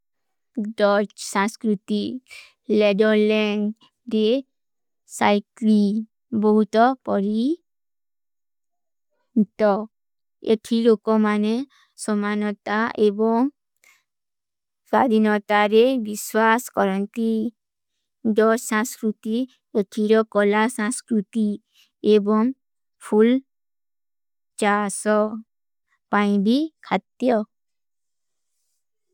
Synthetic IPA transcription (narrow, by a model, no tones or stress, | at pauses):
dɔt͡ʃsãskɾut̪i | ledɔlɛŋɡ | ɾe | sajklin | bɔɦut̪ɔpɔɾi | t̪ɔ | etʰilokɔmane | sɔmanɔt̪aʔebɔŋ | sad̪ʱinɔt̪aɾebiswaskɔɾɔnt̪i | dɔsãnskɾut̪i | eʈʰiɾɔkɔlasãnskɾut̪i | ebɔŋ | pʰul | t͡ʃasɔ | paj̃bikʰat̪jɔ